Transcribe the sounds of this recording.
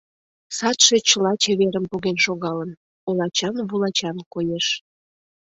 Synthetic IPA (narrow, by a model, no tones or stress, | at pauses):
sɑt̪ʃe̽t͡ɕəlɑt͡ɕeβeɾəmpuɣenʃoɣɑlən | olˠɑt͡ɕɑnβulɑt͡ɕɑnkojeʃ